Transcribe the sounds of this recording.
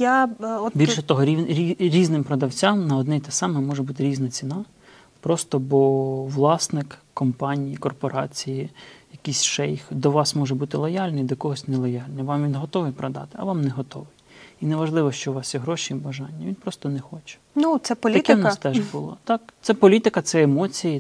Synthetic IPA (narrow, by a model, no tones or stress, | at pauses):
jaɔbʲilʲʃɛt̪ɔɦɔɾʲiɾʲiɾʲiznɪmpɾɔd̪ɐwt͡sʲamnɐɔd̪nɛjt̪ɛsɑmɛmɔʒɛbut̪ɪɾʲiznɐt͡sʲinɑ | pɾɔst̪ɔbɔʋlˠɑsnɪkkːɔmpɑnʲijikɔrpɔɾɑt͡sʲijijɐkisʲʃɛjxd̪ɔʋɑsmɔʒɛbut̪ɪlˠɔjɑlʲnɛjd̪ɔkɔɦɔsʲnɛlˠɔjɑlʲnɛʋɑmʋʲinɦɔt̪ɔʋɪjpɾɔd̪ɑ̰t̪ɪ̥ɐʋɑmnɛɦɔt̪ɔʋɪj | inɛʋɐʒlˠɪʋɔʃt͡ʃɔʋɑsjɛɦɾɔʃibɐʒɑnʲːɐʋʲinpɾɔst̪ɔnɛxɔt͡ʃɛ̥nusɛp̪ʲɐkʲnst̪ɛʒbʊlˠɔ̰t̪ɑkt̪sɛpɔlʲit̪ɪkɐt̪sɛemɔt͡sʲiji